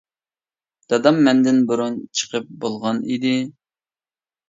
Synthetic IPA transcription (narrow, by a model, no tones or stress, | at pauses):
d̪̥ɑd̪ɑmːɛnd̪ɪnbuɾunt͡ʃʰə̥qʰəp̚bolˠʁɑnid̪ɪ